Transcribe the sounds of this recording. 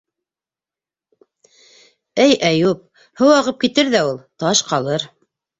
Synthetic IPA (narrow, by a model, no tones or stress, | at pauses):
ɘjʔæjup̚ | hɤ̆wɑʁɤp̚kit̪ɘɾðæulˠt̪ɑʃqɑlˠɤɾ